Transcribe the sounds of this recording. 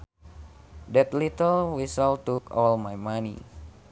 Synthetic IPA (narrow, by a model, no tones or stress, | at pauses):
dɛt̪lit̪əlwisəlt̪ukɔlmajmanḭ